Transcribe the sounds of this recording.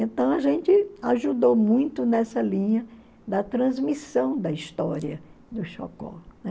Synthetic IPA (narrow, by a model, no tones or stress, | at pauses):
ẽnt̪ɐ̃w̃ɐʒẽnt͡ʃɪaʒud̪owmũj̃t̪ʊnɛsɐlĩɲɐ | d̪ɐt̪ɾɐ̃zmisɐ̃w̃d̪ɐist̪ɔɾiɐ | d̪ʊʃɔ̰kɔ̰nɛ